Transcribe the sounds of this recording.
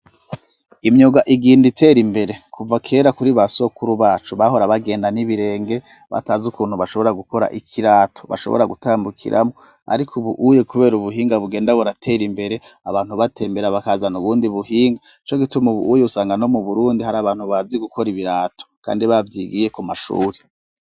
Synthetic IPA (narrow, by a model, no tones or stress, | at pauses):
imɲoɡaʔiɡiːnditʰe̞ɾimbe̞ɾe̞kʰuvakʰe̞ːɾakuɾiβaso̞kuɾuβaːt͡ʃuβaɦo̞ɾaβaɡe̞ːndaniβiɾe̞ːŋɡe̞βa̰taːzukuːnhuβaʃo̞βo̞ɾaɡuko̞ɾa̰ʔikʰiɾaːtʰo̞̥βa̰ʃoβo̰ɾaɡutaːmbukʰḭɾʔa̰mo | a̰ɾikʰuβuʔuje̞kuβe̞ːɾuβuɦiːŋɡaβuɡe̞ːndaβoɾatʰe̞ɾimbe̞ɾe̞aβaːn̥huβatʰe̞ːmbe̞ɾaβakazanuβuːndiβuhiːŋɡa | it͡ʃo̞ɡitumuβṵʔujeusaːŋɡano̞muβuɾuːndihaɾaːβaːn̥huβaziɡukʰo̞ɾiβiɾaːto̥kʰa̰ːndiβavjiɡije̞kumaʃṵːɾe